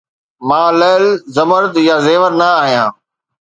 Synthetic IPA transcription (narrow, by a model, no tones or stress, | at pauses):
mãːləːlzɐməɾt̪jazeːʋəɾnaːɦijãː